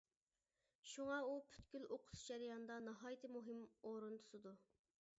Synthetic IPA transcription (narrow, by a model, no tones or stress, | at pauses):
ʃuŋɑupʰy̥t̪kʲyloqʰʊ̥sd͡ʒæɾɪjɑnd̪ɑnɑɦɑːjt̪ʰɪmuɦɪmoɾunt̪ʰu̥sɨd̪u